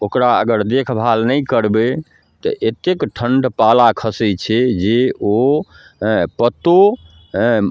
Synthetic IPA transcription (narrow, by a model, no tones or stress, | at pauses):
okɾaə̰ɡəɾd̪ekʰbʱalnəjkəɾbe | t̪əʔet̪ekʈʰəɳɖpalakʰəsət͡ʃʰɛd͡ʒeo | pət̪o